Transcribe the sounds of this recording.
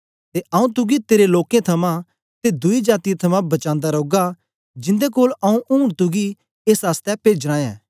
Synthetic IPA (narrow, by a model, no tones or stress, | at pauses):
t̪eʔɐũt̪̬ʊɡit̪eːɾeloːkẽt̪ʰɐmã | t̪ed̪ʊid͡ʒaːt̪ijãt̪ʰɐmãbɐt͡ʃãːnd̪aɾoːɡa | d͡ʒɪ̃nd̪ekoːlɐũʔũːɽt̪ʊɡi | eːsɦaːst̪ɛpeːd͡ʒɾãːjã̰ː